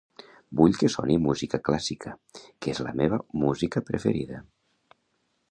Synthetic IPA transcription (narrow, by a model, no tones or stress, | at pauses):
buʎkəsɔ̰nimuzikəklasikʰəkezlə̰meβ̞əmuzikəpɾəfeɾiðə